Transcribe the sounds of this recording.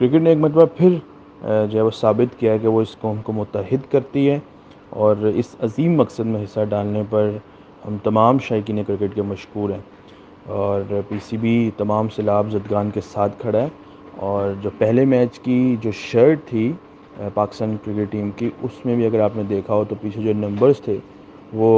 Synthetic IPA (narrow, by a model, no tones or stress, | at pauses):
kɾɪk̬ɪʈneːkmɐt̪əbapʰɪɾ | d͡ʒoɦɛʋosaːbɪt̪kijaɦɛkeʋoɪskõːnkomʊt̪ːəɦɪd̪kɐɾt̪iɦɛː | ɔːɾɪ̰sɐziːmːɐksəd̪mẽɦɪsːaɖaːlnepɐɾ | hɐmt̪ɐmaːmʃaːɪk̬iːnekɾɪkɪʈkemɐʃkuːɾɦɛ̃ː | ɔːɾpiːsibʱit̪ɐmaːmsɪlaːbzɐd̪ɡaːnkesaːt̪ʰkʰɐɽaɦɛ | ɔːɾd͡ʒoːpɛɦlemɛːt͡ʃkid͡ʒoːʃɐɾʈ̚t̪ʰi | paːkɪ̥st̪aːnkɾɪkɪʈʈiːmkiʊsmẽbʱiɐɡəɾaːpned̪eːkʰaot̪opiːt͡ʃʰed͡ʒoːnɐ̃mbəɾzt̪ʰe | ʋoː